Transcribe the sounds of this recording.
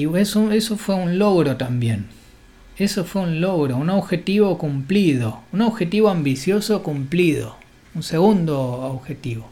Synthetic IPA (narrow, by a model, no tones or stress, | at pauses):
iesueso̞fwe̞unlo̞ɣɾot̪ambje̞n | e̞sofwe̞unlo̞ɣɾo̞unoβxe̞t̪iβo̞kumpliðo̞unoβxe̞t̪iβoambisjo̞sokumpliðo̰ | unse̞ɣund̪ooβxe̞t̪iβo